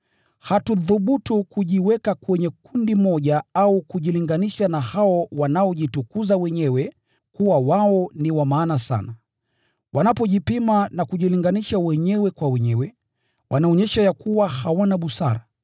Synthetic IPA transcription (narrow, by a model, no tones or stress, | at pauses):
hatuðuɓutukuʄiwɛkakwɛɲɛkundimɔʄaaukuʄiliŋɡaniʃanahaɔwanaɔʄitukuzawɛɲɛwɛ | kuwawaɔniwamaːnasa̰na | wʔanapɔʄipimanakuʄiliŋɡaniʃawɛɲɛwɛkwawɛɲɛwɛ | wʔanaɔɲɛʃajakuwahawanaɓusa̰ɾa